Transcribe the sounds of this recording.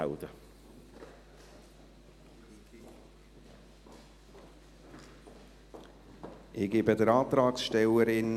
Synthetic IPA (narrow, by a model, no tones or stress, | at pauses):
aʊdə | ʔɪɡɪbədəɾɑːt̪ɾɑːksʃtɛləɾɪn